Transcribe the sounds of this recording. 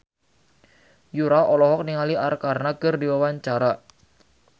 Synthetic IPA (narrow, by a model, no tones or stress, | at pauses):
juɾaʔɔlɔhɔk̚niŋaliʔarkarnakərdiwawaɲt͡ʃaɾa